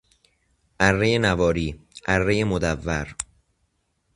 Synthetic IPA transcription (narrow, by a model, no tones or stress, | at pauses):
ʔærːejenævɒːɾiːʔærːejemod̪ævːæɾ